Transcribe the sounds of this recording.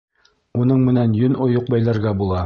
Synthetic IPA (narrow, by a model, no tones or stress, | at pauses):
unɤɴmɘ̆nænjɵnʔŏjoq̚bæjlæɾɡæbulˠɑ